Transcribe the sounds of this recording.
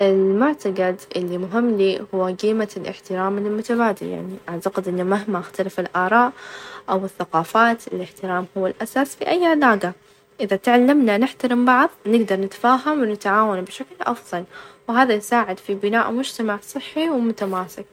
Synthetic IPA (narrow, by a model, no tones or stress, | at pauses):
ʔɪlmʊʕt̪aɡad̪ʔɪlːimʊɦɪmːliːhʊwːaɡiːmalʔɪ̰ħt̪ɪɾaːmɪlmʊt̪abaːd̪ɪlja̰ʕniʔaʕt̪aqɪd̪ʔɪnːamaɦmaʔaxt̪alafɪlʔɑːɾˤɑːʔʔawɪθːaqɑːfaːt̪ɪlɪħt̪ɪɾaːmhʊwːalʔasasfiʔajːalaːɡa | ʔɪðat̪ʕalːɪmnanɪħt̪aɾɪmbɑʕðˤnɪɡd̪ɑɾˤnɪt̪ḁfaːɦamwɪnɪt̪ʕaːwanbʃaklʔɑfðˤɑlwɦaːðajsaːʕɪd̪fibɪnaːʔmʊd͡ʒt̪amaʕsˤɨħːiwmʊt̪amaːsɪk̚